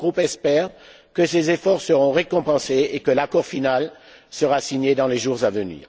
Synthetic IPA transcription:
ɡʁupɛspɛʁ | kəsezefɔʁsəʁɔ̃ʁekɔ̃pɑ̃seekəlakɔʁfinal | səʁasiɲed̪ɑ̃leʒuʁzavənḭ

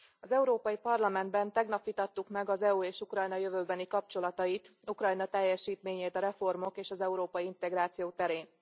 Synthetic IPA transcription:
ɒzɛuɾoːpɒjipɒrlɒmɛnd̪̚bɛnt̪ɛɡnɒpʋit̪ɒt̪ːukmɛɡɒzɛuːeːʃukrɒjnɒjøvøːbɛnikɒp̚t͡ʃo̞lɒt̪ɒjit̪ukrɒjnɒt̪ɛjːɛʃiːt̪meːɲeːt̪ɒɾɛfo̞rmo̞keːʃɒzɛuɾoːpɒjiint̪ɛɡɾaːt̪sijoːt̪ɛɾeːn

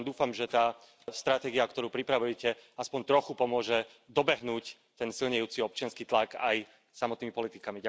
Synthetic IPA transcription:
d̪uːfamʒɛt̪aː | st̪ɾat̪ɛːɡiakt̪ɔɾuːpɾipɾaʋujɛcɛaspɔɲt̪ɾɔxupɔmʊɔʒɛ | d̪ɔbɛɦnuːc | t̪ɛnsilɲɛjuːt͡siɔp̚t͡ʃɪanskiːt̪laɡaj | samɔt̪niːmipɔlit̪ikamiɟa

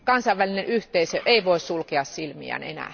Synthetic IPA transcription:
kɑnsɑiʋʋælinenʔyht̪eisøʔeiʋoissulkeɑssilmḭæ̰nḛnæ̰ː

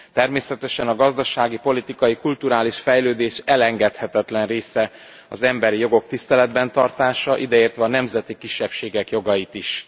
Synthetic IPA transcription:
t̪ɛrmeːsɛt̪ɛʃɛnɒɡɒzd̪ɒʃaːɡipo̞lit̪ikɒjikult̪uɾaːliʃfɛjløːd̪eːʃɛlɛŋɡɛt̪hɛt̪ɛt̪lɛnreːsɛ | ɒzɛmbɛɾijo̞ɡo̞k̚t̪ist̪ɛlɛd̪bɛnt̪ɒrt̪aːʃɒʔid̪ɛeːrt̪ʋɛɒːnɛmzɛt̪ikiʃːɛpʃeːɡɛkjo̞ɡɒjit̪iʃ

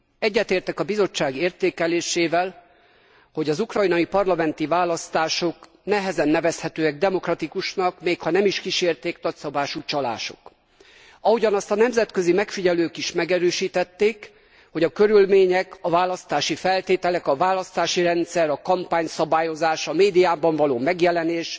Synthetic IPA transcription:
ɛɟːɛt̪eːrt̪ɛkɒbizo̞t͡ʃːaːɡeːrt̪eːkɛleːʃeːvɛl | ho̞ɟɒzukrɒjnɒipɒrlɒmɛn̪t̪ivaːlɒst̪aːʃo̞k | nɛɦɛzɛnːɛvɛshɛt̪øːɛɡ̚d̪ɛmo̞krɒt̪ikuʃnɒkmeːkhɒnɛmiʃkiʃeːrt̪eːknɒcsɒbaːʃuːt͡ʃɒla̰ːʃo̞̰k | ɒɦuɟɒnɒst̪ɒnɛmzɛt̪kø̞zimɛkfiɟɛløːkiʃmɛɡɛɾøːʃiːt̪ɛt̪ːeːk | ho̞ɟɒkø̞ɾylmeːɲɛkɒvaːlɒst̪aːʃifɛlt̪eːt̪ɛlɛkɒvaːlɒst̪aːʃiɾɛnt̪sɛɾɒkɒmpaːɲsɒbaːjo̞zaːʃɒmeːd̪ijaːbɒɱvɒloːmɛɡjɛlɛneːʃ

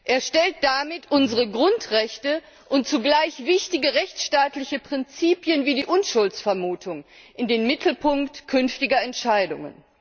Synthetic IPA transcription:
ʔeːɐʃtɛlt̚d̥amɪtʰʔʊnzəʁəɡʁʊntʁɛçtə | ʔʊntt͡suɡlaɪçv̥ɪçtɪɡəʁɛçt͡sʃtaːtlɪçəpʁ̥ɪnt͡siːpjənviːdiːʔʊnʃʊlt͡sfɛɐmuːtʰʊŋ | ʔɪndeːnmɪtʰl̩pʊŋktkʰʏnftɪɡɐɛntʃaɪdʊ̰ŋə̰n

